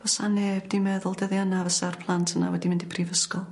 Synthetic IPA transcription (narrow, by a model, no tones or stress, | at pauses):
vɔsaneːbdimɛðʊlˠdɛðjanavəsarpʰlˠantʰəna̰wɛdimɪndipʰrivəskɔl